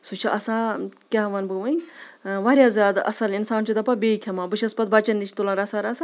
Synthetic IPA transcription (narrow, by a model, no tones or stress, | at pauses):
sut͡ʃʰiʔɐsãːkʲaɦʋɐnbɨʋɐjʋaɾʲjaːzʲjaːd̪ɐ̰sɐlinsaːnt͡ʃʰid̪ɐpabeːkʰʲɐmãːbɨʃʰʲɐspɐt̪̚baːt͡ʃɐnːit͡ʃʰi̥t̪ulãːɾɐsaːɾɐsãː